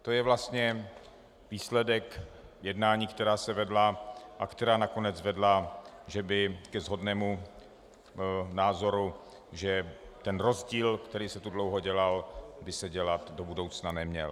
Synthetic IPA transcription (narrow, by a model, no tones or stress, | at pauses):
t̪o̞jɛvlast̪ɲɛ | viːslɛdɛkjɛdnaːɲiːkt̪ɛɾaːsɛvɛdlaʔakt̪ɛɾaːnako̞nɛd͡zvɛdlaʒɛbɪkɛzɦo̞dnɛːmu | naːzo̞ɾu | ʒɛt̪ɛnɾo̞zɟiːlkt̪ɛɾiːsɛt̪udlo̞wɦoɟɛlalbɪsɛɟɛlat̪do̞budo̞wt͡snanɛmɲɛ̰l